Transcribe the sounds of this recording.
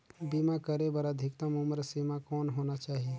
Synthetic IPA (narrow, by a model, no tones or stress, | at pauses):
bimakəɾebəɾəd̪ʱɪkt̪amuməɾsimakɔːnɦonat͡ʃaːɦi